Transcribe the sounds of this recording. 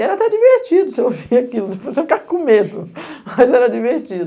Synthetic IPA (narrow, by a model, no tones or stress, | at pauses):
ɛɾɐt̪ɛd͡ʒiveɾt͡ʃid̪ʊseoviakilʊsevosefi̥kakõmed̪ʊmɐzɛɾɐd͡ʒiveɾt͡ʃid̪